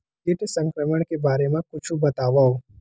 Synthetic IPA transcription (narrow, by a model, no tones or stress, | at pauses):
kɪʈʰsə̃ŋkɾəməɽ̃kebaːɾemãkʊt͡ʃʰũbɐt̪aːʋao